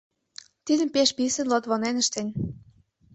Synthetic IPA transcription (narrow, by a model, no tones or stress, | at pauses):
t̪id̪ə̆mpeʃpisə̆nlot̪βonenə̆ʃt̪enʲ